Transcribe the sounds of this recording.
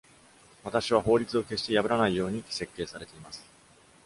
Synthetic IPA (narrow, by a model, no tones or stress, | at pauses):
βat̪aɕiβ̞aho̞ːɾʲit͡sɨo̞ke̞ɕt̪e̞jabɯ̟ɾanaijo̞ːɲ̟i̥se̞kːe̞ːsaɾe̞t̪e̞imasɨ̥